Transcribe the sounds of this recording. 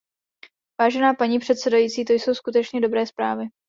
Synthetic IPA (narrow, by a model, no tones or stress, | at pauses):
vaːʒɛnaːpaɲiːpr̝̥ɛt̪sɛdajiːt͡siːt̪o̞jso̞wskut̪ɛt͡ʃɲɛdo̞bɾɛːspɾaːvɪ